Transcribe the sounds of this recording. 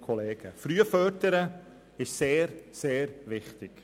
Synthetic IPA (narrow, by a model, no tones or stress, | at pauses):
kʰɔleːɡ̥əfɾyːəfœtəɾə | ɪʃseːɾseːɾvɪχtɪɡ̥